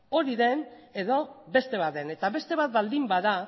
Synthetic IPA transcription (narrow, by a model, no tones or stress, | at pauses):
o̞ɾiðe̞ne̞ðo̞βe̞st̪e̞βat̪ene̞t̪aβe̞st̪e̞β̞at̪̚bald̪imbaða